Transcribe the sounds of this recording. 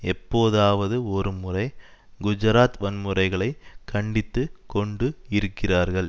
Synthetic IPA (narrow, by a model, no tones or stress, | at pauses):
ɛpːoːðaːʋɐðɯɔɾɯmʊrɐɪ | ɡʊd͡ʒɐɾaːt̪ʋɐnmɯrɐɪɣɐɭɐɪkʰːɐɳɖɪt̪ːɯkɔɳɖɯɪɾɯkːɪraːɾɣɐɭ